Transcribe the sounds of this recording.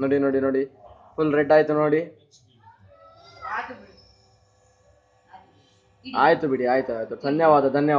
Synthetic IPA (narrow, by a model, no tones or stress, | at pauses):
noːɽinoːɽinoːɽipʰulɾeɖaːjt̪unoːɽi | aːjt̪ubiɽiaːjt̪uaːjt̪ud̪ʱɐnjɐʋaːd̪ɐd̪ʱɐnjɐ